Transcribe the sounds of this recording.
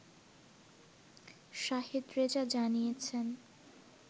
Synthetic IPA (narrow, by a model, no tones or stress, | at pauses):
ʃaɦid̪ɾed͡ʑad͡ʑanijet͡ɕʰen